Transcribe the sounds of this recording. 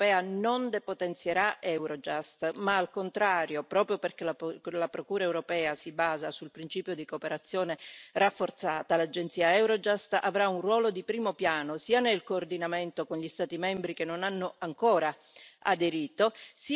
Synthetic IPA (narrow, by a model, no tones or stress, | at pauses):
pɛːanond̪epot̪ent̪sjeɾaɛwɾod͡ʒast̪maːlkont̪ɾaːɾjopɾɔːpɾjoperk̟elalapɾokuːɾaewɾopɛːasibaːzasulpɾint͡ʃiːpjod̪ikopeɾat̪sːjoːnerafːort̪saːt̪alad͡ʒent̪siːaɛwɾod͡ʒast̪a̰vɾaunrwɔːlod̪ipɾiːmopjaːnosiːanelkoːrd̪inament̪okonʎist̪aːt̪imɛmbɾikenːonanːoaŋkoːɾa | ad̪eɾiːt̪os